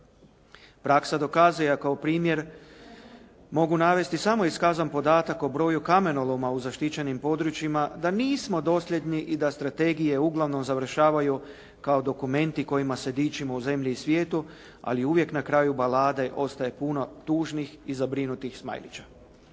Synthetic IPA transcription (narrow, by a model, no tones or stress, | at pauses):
pɾaksad̪o̞kaːzujakaopɾiːmje̞ɾ | mo̞ɡunaʋe̞st̪isamo̞iskazanpo̞d̪aːt̪ako̞bɾo̞ːjukame̞nolomauzaʃt̪it͡ɕe̞nimpo̞d̪ɾut͡ʃjimad̪aniːsmo̞d̪o̞sʎʲe̞d̪niʔid̪ast̪ɾat̪e̞ɡije̞uɡlˠaʋno̞mzaʋr̩ʃaːʋaju | kao̞d̪o̞kume̞nt̪iko̞jimase̞d̪iːt͡ʃimo̞uze̞mʎiːsʋje̞ːt̪u | a̰liuʋje̞knakɾaːjubalaːd̪e̞ʔo̞st̪aje̞puno̞t̪uːʒnixizabɾinut̪ixsma̰jlḭt͡ɕa